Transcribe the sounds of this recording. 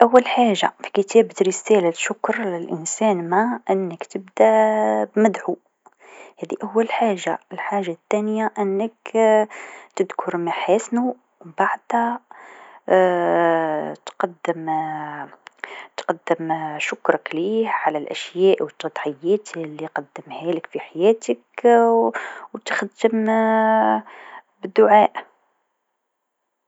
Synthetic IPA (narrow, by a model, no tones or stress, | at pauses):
ʔawːælħaːʒːafi̥kət̪ʰæːbt̪ɾəsælaʃʊkɾlɪlʔɪnsæːnmaʔɪnːəkt̪əbd̪æbmæd̪ʕu | hæːd̪iʔæwːælħaːʒːa̰lħaːʒat̪ːænjaʔənːək | t̪əd̪kʰʊɾmaħæːsnu | wbaʕd̪hæ | t̪qɑd̪ːəm | t̪qɑd̪ːəmʃʊkɾˤɑklihʕalælʔæ̰ʃjæːʔwət̪ˤːɑd̪ˤħəjːæt̪lːiqɑd̪ːəmhæləkfiħajæt̪ək | wt̪xd̪əm | bəd̪ːʊʕaːʔ